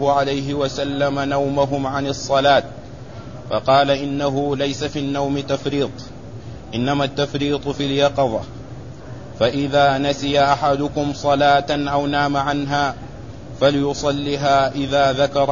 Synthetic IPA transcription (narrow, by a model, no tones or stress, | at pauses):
ʕalajɦɪwasalːamanawmʊɦʊmʕanɪsˤːɑlaːt̪̚ | fɑqɑːlaʔɪnːaɦʊlajsafiːnːawmɪt̪afɾiːt̪ˤ | ʔɪnːamaːt̪ːafɾiːt̪ˤfiljɑqɑðˤɑ̰ | faʔɪðaːnasɪjaʔaħad̪ʊkʊmsˤɑlaːt̪anʔawnaːmaʕanɦaː | falɪjʊsˤɑlːiːɦaːʔɪðaːðakɑɾˤ